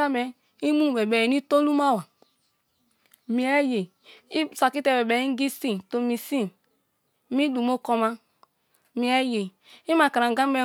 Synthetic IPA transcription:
a˦mɛ˨ | i˦mu˦˨bɛ˨bɛ˨i˨ni˦to˦lu˦ma˦˨wa˨ | mi˨ɛ˦je˨ | i˦˨sa˨ki˦tɛ˨bɛ˨bɛ˨i˦ɡi˦si˦to˨mi˨si˦ | mi˦du˨mo˦kɔ˦ma˦ | mi˨ɛ˦je˨ | i˦ma˨ka˨ɾa˨ɡa˦mɛ˦

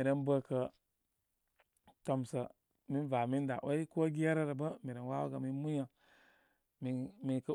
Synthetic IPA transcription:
i˨ɾə˦nbə˦kə˧ | to˧msə˨ | mi˦nva˨mi˦n˦da̰˨ʔo˦i˦ko˦ɡi˦a˦ɾə˦ɾə˨bə˦mi˨ɾə˨nwa˦wa̰˦kə˨mi˦mu˦ja˨ | mi˨mi˨kə˦

